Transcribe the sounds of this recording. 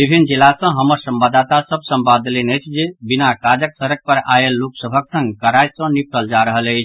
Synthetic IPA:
bibʱinːd͡ʒilasə̃ɦəməɾsəmbad̪at̪asəb̚səmbad̪lenəjt͡ʃʰd͡ʒebinakad͡ʒəksəɾək̚pəɾa̰elːoksəbʱəksə̃ŋɡkəɾajsə̃nip̚ʰʈəld͡ʒaɾəɦələɪt͡ʃʰ

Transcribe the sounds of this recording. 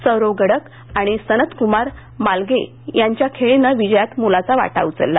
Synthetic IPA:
t͡səɾoɡəɽək | aɽ̃isənət̪kumaɾ | malɡe | jaɲt͡ɕjakʰeɭenaʋid͡ʑəjat̪mulat͡saʋa̰ʈa̰ut͡sə̰lːa

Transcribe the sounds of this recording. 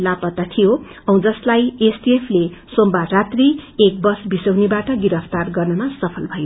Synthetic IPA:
lapʌt̪ːat̪ʰijo | ʌũd͡zʌslajesʈiepʰlesombarat̪riek̚bʌsbisʌwnebaʈʌɡiɾʌpʰt̪arɡʌrnʌmasʌpʰʌlbʱʌjo

